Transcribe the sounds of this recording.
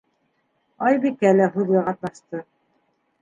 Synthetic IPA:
ɑjbikælæɦʉðɡæqɑt̪̚nɑʃt̪ɤ

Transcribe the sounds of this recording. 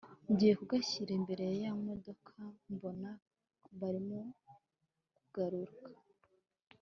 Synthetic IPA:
mɟije̞kuɡaçiɾe̞mbe̞ɾe̞jajamo̞do̞kʰambo̞na | βaɾimo | kuɡ̥aɾuɾkḁ

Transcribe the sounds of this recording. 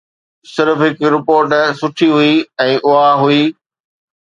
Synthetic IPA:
sɪɾfɦɪkɾɪpoːɾʈsʊʈʰiɦuiɛ̃ːʔʊaɦuiː

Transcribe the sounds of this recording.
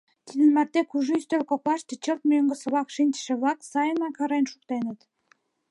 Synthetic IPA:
t̪id̪ə̆nmært̪ekuʒuyst̪ølkoklɑʃt̪ə̆t͡ɕəlt̪̚møŋɡə̆sə̆βɑkʃinʲt͡ɕə̥̆ʃĕβlɑksɑjənɑkɑɾenʃukt̪enət̪

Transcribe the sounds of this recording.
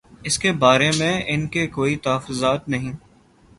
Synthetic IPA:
ɪskebaːɾemẽɪnkekoːit̪ɐɦəfʊzaːt̪nɐɦĩː

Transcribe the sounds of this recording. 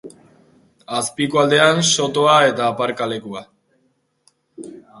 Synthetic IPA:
aspikoald̪e̞anso̞t̪o̞ae̞t̪aːpaɾkale̞kua

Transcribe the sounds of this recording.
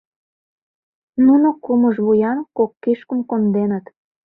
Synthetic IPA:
nunokuməʒβujɑnkokːiʃkəmkond̪enət̪

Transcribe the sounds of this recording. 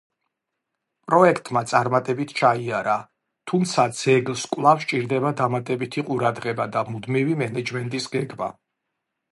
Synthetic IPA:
pʼɾɔɛkʰt̪ʼmat̪sʼaɾmat̪ʼɛbit̪ʰt͡ʃʰaiaɾa | t̪ʰumt̪sʰad̪z̥ɛɡlˠskʼwlˠafst͡ʃʼiɾd̪ɛbad̪amat̪ʼɛbit̪ʰiqʼuɾad̪ʁɛbad̪amud̪mivimɛnɛd͡ʒmɛnt̪ʼisɡɛɡba̰

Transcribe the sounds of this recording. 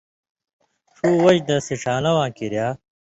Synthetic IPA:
ʂuːwɐd͡ʑd̪ɐsiʂaːlɐwãːkiɾjaː

